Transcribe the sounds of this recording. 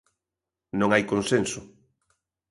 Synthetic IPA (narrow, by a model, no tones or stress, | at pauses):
nõŋajkonsensʊ